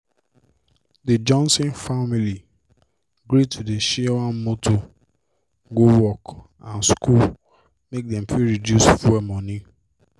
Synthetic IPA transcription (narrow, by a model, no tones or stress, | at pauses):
ded͡ʒɔ̃nsĩnfamili | ɡɾitʰudeʃiawãnmotʰo | ɡowɔk | ãnskul | mek̚dɛ̃mfiɹidjusfwɛmɔ̃ni